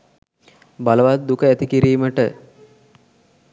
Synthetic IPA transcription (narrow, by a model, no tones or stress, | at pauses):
baləʋat̪̚d̪ukəæt̪ikiɾiːməʈə